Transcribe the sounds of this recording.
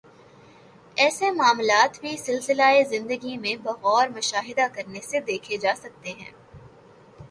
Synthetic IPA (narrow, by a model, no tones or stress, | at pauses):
ɛːsemaːmlaːt̪bʱisɪlsɪlaezɪ̃nd̪əɡimẽbɐɣɔːɾmʊʃaːɦɪd̪akɐɾnesed̪eːkʰed͡ʒaːsɐk̚t̪eɦɛ̰̃ː